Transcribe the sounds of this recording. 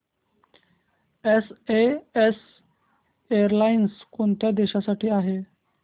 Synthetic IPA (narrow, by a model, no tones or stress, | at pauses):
esees | ejəɾlainskoɳt̪jad̪eɕasaʈiːaɦe